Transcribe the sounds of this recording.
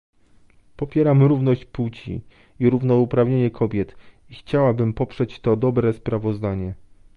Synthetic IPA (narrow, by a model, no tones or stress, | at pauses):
pɔpʲjɛɾamɾuvnɔɕt͡ɕput͡ɕḭ | iɾuvnɔupɾavɲeɲɛkʰɔbʲjɛt̪ | ixt͡ɕawabɘmpɔpʂɛt͡ɕt̪ɔd̪ɔbɾɛspɾavɔzd̪aɲɛ